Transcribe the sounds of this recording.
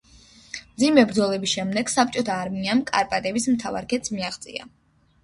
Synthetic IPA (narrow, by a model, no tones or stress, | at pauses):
md̪zimɛbɾd̪zɔlɛbisʃɛmd̪ɛɡ̥sap̚t͡ʃʼɔt̪ʰaːɾmiamkʼa̰ɾpʼat̪ʼɛbismt̪ʰava̰ɾkʰɛt̪smiaχt̪sʼḭa̰